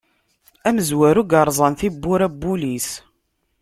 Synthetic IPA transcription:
æməzwæɾuɡɑɾˤzˤɑnθibːʊɾæbːulis

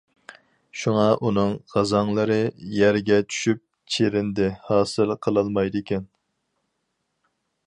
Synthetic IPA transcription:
ʃuŋɑʔunɨŋʁɑzɑŋlˠɨɾɨjæɾɡʲɛt͡ʃʰy̥ʃyp̚ | t͡ʃʰeɾɪnd̪ɪhɑːsɨlˠqʰəlˠɑlˠmɑjd̪ɨkʲɛn

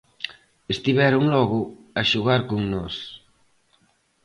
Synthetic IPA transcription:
est̪iβ̞ɛɾuŋlɔɣuaʃuɣaɾkuŋnos

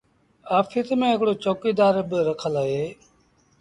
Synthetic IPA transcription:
aːfʰiːt̪mẽːɦɪkɽoːt͡ʃoːkiːd̪aːɾbɪɾəkʰəlaːɦeː

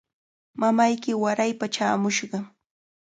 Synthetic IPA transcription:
mamajkɪwaɾajpat͡ʃaːmʊʃɢɑ

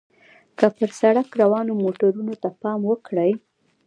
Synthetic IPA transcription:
kəpəɾsaɽakɾawɑnomoʈaɾunot̪apɑmwəkɽəj

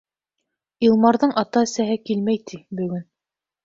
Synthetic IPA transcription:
ilˠmɑɾðɤɴʔɑt̪ɑɘ̆sæɦɘkilmæjt̪ʰibɵ̆ɡɵn

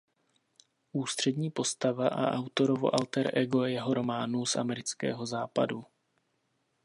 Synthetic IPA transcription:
ʔuːst̪r̝̥ɛdɲiːpo̞st̪avaʔa̰ʔawt̪o̞ɾovo̞̰ʔalt̪ɛɾʔɛɡojɛjɛɦo̞ɾo̞maːnusʔa̰mɛɾɪt͡skɛ̰ːɦo̞zaːpa̰du

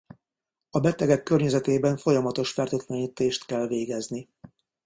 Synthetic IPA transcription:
ɒbɛt̪ɛɡɛkːørɲɛzɛt̪eːbɛɱfo̞jɒmɒt̪o̞ʃfɛrt̪øt̪lɛɲiːt̪eːʃt̪kɛlveːɡɛzni

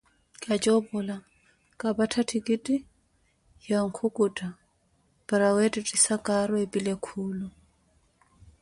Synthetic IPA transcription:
kʼat͡ʃʼɔbʊla | kʼabatʰatʰikʼitʼi | jaŋ̩kʰʊkʼutʼa | b̥aɾawɛtʼitʼisakʼaɾɔepʼilekʰuːlʊ

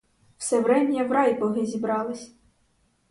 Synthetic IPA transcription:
w̥sɛʋɾɛmʲnʲɐʋɾɑjbɔɦɪzʲibɾɑlˠɪsʲ

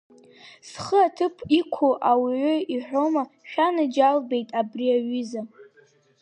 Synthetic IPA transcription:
sχəatʰɨpʰikʷʰoʔawiʕʷʊiħᶣʷoma | ʃʲᶣanɨd͡ʒalbe̞jtʼabriaɥiza

